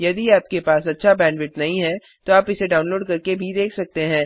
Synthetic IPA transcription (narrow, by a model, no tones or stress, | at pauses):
jɐd̪iaːp̚kepaːsɐtːʃʰabɛ̃ːɳɖʋɪʈnɐɦĩɦɛ | t̪oaːpɪseɖaːʊ̃nloːɖkɐɾkebʱid̪eːkʰsɐk̚t̪eɦɛ̃ː